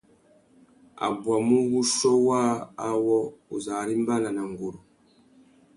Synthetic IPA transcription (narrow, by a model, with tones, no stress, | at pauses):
a̰˨bwa˨mu˦ɣu˦ʃɔ˦waː˦wɔ˦u˨za˨ɾi˦m˦ba˦la˨na˨ŋɡu˨ɾu˨